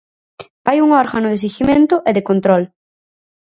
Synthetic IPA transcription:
fajuŋɔɾɣanʊðes̬iximẽnt̪ʊʔɛðɪkõnt̪ɾɔl

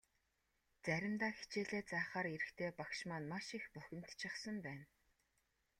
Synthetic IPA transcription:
t͡sæɾʲɪ̆mt̪aːxi̥t͡ɕeːɮeːt͡saːχaːɾiɾɘ̆xt̪ʰeːpakʃmaːnmaʃixpuxʲɪ̆n̥t̪t͡ɕʰɪ̆χsə̆mpæːn

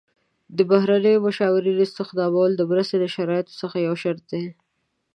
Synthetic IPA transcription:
d̪əbaɦɾanəjobaʃɑwɪɾiɾist̪əxd̪ɑbawld̪əmɾəst̪eləʃaɾɑjɪt̪o̥səxajawʃaɾt̪̚d̪e

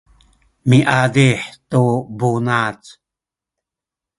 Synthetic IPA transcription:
miʔad̪iħt̪ubunat͡s

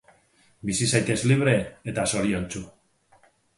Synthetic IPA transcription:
bisisajt̪e̞zliβ̞ɾe̞et̪aso̞ɾio̞nt͡su

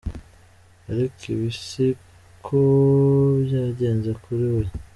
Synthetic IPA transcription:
aɾikʰiβisi | kʰobjaːɟe̞ːnzekuɾiwe

